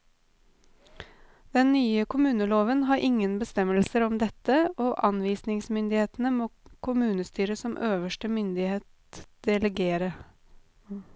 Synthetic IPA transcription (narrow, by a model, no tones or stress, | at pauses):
d̪̥ɛnːyːəkʰʊmʉːnəloːʋənɦɑːɾʔɪŋənbəst̪ɛməlsəɾɔmd̪ɛt̪əoːʔɑnʋiːsnɪŋsmʏnd̪ɪheːt̪n̩əmoːkʰʊmʉːnəst̪yːɾəsɔmʔøːʋəʃʈəmʏnd̪ɪheːt̪ | d̪̥ɛləɡeːɾə